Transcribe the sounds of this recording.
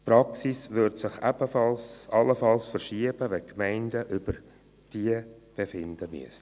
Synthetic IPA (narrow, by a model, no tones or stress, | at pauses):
pɾɑksisʋʏrtsɪχɛb̥əfɑlsɑlːəfɑlsfərʃiəb̥əʋɛkmæɪndəʔʏb̥ər | d̥iəb̥efɪnd̪əmy̰əs